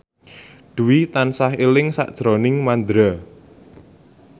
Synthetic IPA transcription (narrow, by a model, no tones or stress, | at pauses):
ɖ̪̥uwit̪ansaɦelɪŋsa̰ʔd̥ʒ̥ɾɔnɪŋmand̪ɾa